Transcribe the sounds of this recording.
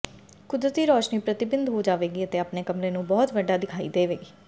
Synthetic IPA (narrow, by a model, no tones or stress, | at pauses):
kʊd̪ɾət̪iːɾɔːʃniːpɾət̪ɪbɪnd̪ɦoːd͡ʒaːʋeːɡiːət̪eːapneːkəmɾeːnũːbɔːt̪ʋəɖaːd̪ɪkʰaːḭːd̪eːʋeːɡiː